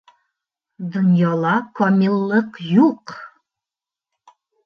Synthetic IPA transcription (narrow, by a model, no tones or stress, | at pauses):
d̪ŏnjɑlˠɑkɒmilˠːɤqjuq